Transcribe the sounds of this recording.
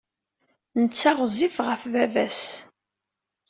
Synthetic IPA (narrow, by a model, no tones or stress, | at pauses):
nət͡sːæʁzifʁəfvævæs